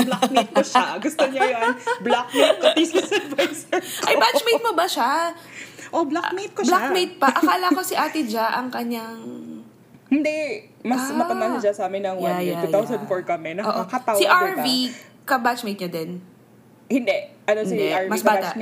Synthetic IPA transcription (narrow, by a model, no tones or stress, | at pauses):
blakmejt̪̚oʃaɡʊst̪oɲɐjonblakmejt̪̚kot̪iskɐsɐbɐsɛʔʔɐjbat͡ʃmejt̪̚mobɐʃa | ʔoblamejt̪̚koblakmejt̪̚pɐʔɐkɐʔɐlakosɪʔaːt̪ɪd͡ʒaʔɐŋkɐɲːaŋ | hɪnd̪ɛ | mɐsmɐpɐbanɐd͡ʒɐsɐaːmɪnːɐŋwjɐnajɛaujt̪awsɐnfɔɹkɐmɛnɐʔoːʔokaawiʔaɹvi | kɐbat͡ʃmejt̪̚ɲɐd̪ɛn | hɪnd̪ɛʔʔɐnosiʔaɹmɐisba̰ː